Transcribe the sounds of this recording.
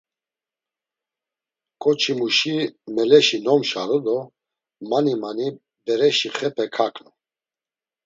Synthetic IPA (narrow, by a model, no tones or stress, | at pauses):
kʼɔt͡ʃʰimuʃimɛlɛʃinɔmʃa̰ɾɔd̪ɔ | manimani | bɛɾɛʃiχɛpʰɛkʰakʼnu